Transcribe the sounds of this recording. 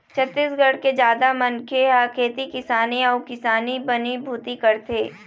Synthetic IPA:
t͡ʃʰət̪ːiːsɡʱɐɽ̤ked͡ʒjaːd̪amɐnkʰeaːkʰeːt̪ikɪsaːniɔːkɪsaːnibɐnibʱuːt̪ikɐɾt̪eː

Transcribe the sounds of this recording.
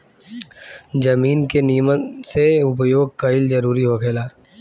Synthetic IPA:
d͡ʒɐmiːnkenijməseʊp̬joːɡ̚kaɪld͡ʒɐɾuːɾiɦokʰeːlaː

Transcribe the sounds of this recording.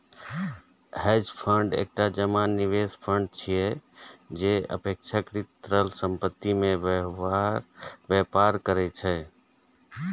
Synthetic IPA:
hɛd͡ʒpʰəɳɖḛk̚ʈad͡ʒəmanːiʋespʰəɳɖ̚t͡ʃʰijɛd͡ʒeə̰pek̚t͡ʃʰakɾit̪ɾəlsəmpət̪ːimẽ | ɾbjepaɾkəɾɛt͡ʃʰɛ

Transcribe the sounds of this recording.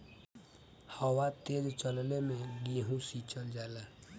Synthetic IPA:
hɔwat̪ed͡ʒt͡ʃəllemẽɡiɦũsit͡ʃəld͡ʒaːla

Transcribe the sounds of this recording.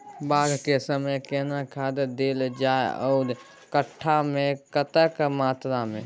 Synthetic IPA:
baːɡ̪ʱkesəməjkenakʰad̪d̪eld͡ʒaeɔ̰ːɾ | kəʈʰːamẽkət̪əkmaːt̪ɾamẽ

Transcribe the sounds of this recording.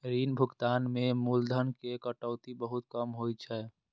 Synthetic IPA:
ɾinbʱuɡt̪anmemuld̪ʱənkekəʈəʊt̪ibəɦut̪̚kəmɦojt͡ʃʰɛ

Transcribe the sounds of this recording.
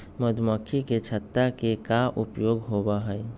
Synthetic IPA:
məd̪ʱməkʰːiket͡ʃʰət̪ːakekaʔupjoɡɦobaɦəj

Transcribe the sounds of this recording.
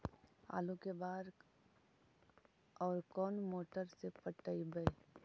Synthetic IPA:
a̰ːlukebaːɾ | ɔːɾkɔːnmoːʈəɾsepəʈːəibəe

